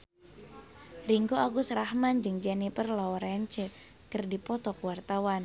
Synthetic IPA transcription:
riŋɡoaɡusɾahmand͡ʒɨŋd͡ʒanipərlaɔɾaaɲt͡ʃɛ | kɨrdipɔt̪ɔkuwart̪awan

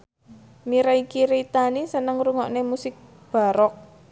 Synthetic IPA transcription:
miɾaikiɾit̪anisənəŋruŋɔʔnemusɪk̚ | b̥a̤ɾɔk̚

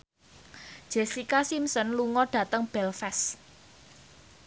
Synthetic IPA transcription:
d̥ʒ̥esikasimsɔnluŋɔɖ̥ä̤t̪əŋb̥ɛlfɛs

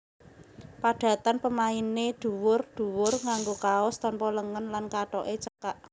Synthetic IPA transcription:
paɖ̪̥ä̤t̪anpəmained̥ṳwʊrɖ̪̥ṳwʊrŋaŋɡokaʊst̪ɔnpɔləŋənlankaʈɔʔet͡ʃəkaʔ

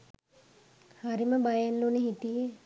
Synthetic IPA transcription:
haɾiməbajanluneɦit̪ije

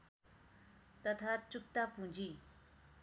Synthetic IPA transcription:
t̪at̪ʰaʈ͡ʂuk̚t̪apuɲd͡ʑi

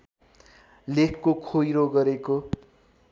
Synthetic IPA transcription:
lekʰkokʰojɾoɡʌɾeko

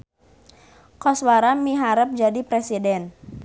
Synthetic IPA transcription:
kɔswaɾamiɦaɾəp̚d͡ʒadipɾɛsidɛn

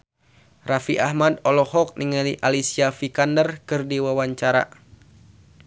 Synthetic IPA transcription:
rafiʔahmadɔlɔhɔk̚niŋaliʔalisiafikandərkɨrdiwawaɲt͡ʃaɾa̰

